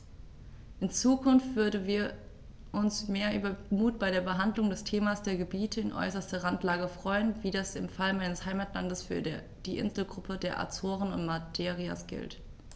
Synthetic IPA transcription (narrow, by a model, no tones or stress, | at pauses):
ʔɪnt͡suːkʰʊnftv̥ʏɐdn̩viːɐ | ʔʊnsmeːɐʔyːbɐmuːt̚b̥aɪɾdeːɐbəɦandlʊŋdɛstʰeːmasd̥eːɐɡəbiːtʰəɪnʔɔ̰ʏsɐstɐʁantlaːɡəfʁ̥ɔʏənviːdasɪmfalmaɪnəshaɪmaːtlandəsfyːɐ | d̥iːʔɪ̰nzl̩ɡʁʊpʰədeːɐʔa̰t͡soːʁənʊ̰ntmatʰeːʁia̰sɡ̥ɪ̰lt